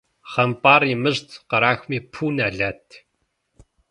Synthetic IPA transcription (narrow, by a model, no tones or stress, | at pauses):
χɐmpʼaːriːmɨʑtʰqɐɾaːxʷmiːpʰuːnaːɮaːtʰ